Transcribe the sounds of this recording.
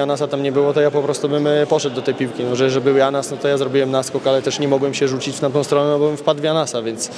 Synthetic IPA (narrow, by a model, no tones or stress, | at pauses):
janasat̪amɲɛbɘwɔt̪ɔjapɔpɾɔst̪ubɘmpɔʂɛd̪̚d̪ɔt̪ɛjpʲiwkʲinɔʐɛʐɛbɘwjanasnɔt̪ɔjazɾɔbʲiwɛmnaskɔkalɛt̪ɛʂɲɛmɔɡwɛmɕɛʐut͡ɕit͡ɕft̪at̪ɔ̃w̃st̪ɾɔnɛnɔbɔbɘmfpad̪vjanasavʲjɛnt̪s